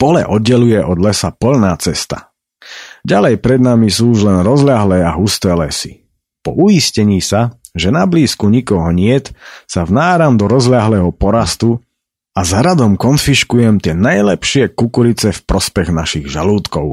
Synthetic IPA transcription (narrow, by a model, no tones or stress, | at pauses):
pɔlɛ̰ʔɔd̪ɟɛlujɛʔɔd̪lɛsapɔʎnaːt͡sɛst̪a̰ | ɟalɛjpɾɛd̪namisuːuʒlɛnɾɔzlɪaɦlɛːaɦust̪ɛːlɛsi̥ | pɔ̰ʔujiscɛɲiːsa | ʒɛnabliːskuɲikɔɦɔɲɪɛt̪savnaːɾamd̪ɔɾɔzlɪaɦlɛːɦɔpɔɾast̪u | azaɾad̪ɔmkɔnfiʃkujɛmt̪ɪɛnajlɛpʃɪɛkukuɾit͡sɛfpɾɔspɛɣnaʃiɣʒaluːt̪kɔʊ